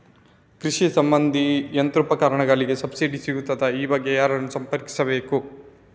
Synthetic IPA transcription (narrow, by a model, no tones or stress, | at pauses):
kɾiʂisɐmbɐnd̪ʱijɐnt̪ɾupɐkaːɾɐɳɐɡɐɭiɡe̞sɐbsiɖisiɡut̪ːɐd̪ɐiːbɐɡjejaːɾɐnːusɐmpɐɾki̥sɐbe̞ːku